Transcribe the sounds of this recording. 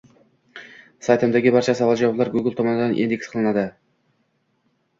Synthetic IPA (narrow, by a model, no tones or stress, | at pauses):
sajt̪ʰɨmd̪aɡʲɪbaɾt͡ʃʰasɑvɑlˠd͡ʒɑwɑblˠɑɾɡuɡʲɪlˠt̪ʰomɑnɨd̪anʔḭnd̪eksqʰəlˠɨnad̪ɪ